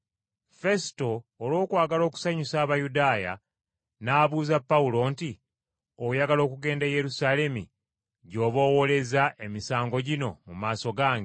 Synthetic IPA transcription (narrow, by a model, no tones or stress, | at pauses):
fe̞si̥to̞ːlwo̞ːkwaːɡalo̞ːku̥saɲusaːβajudaːja̰ | naːβuːzapːaulo̞ːnti | ojaɡalo̞ːkuɡe̞ːndeje̞ɾusale̞mḭ | ɟo̞ːβo̞wo̞le̞zaʔe̞misaːŋɡo̞ɟino̞̰mumaːso̞ɡaːŋɡe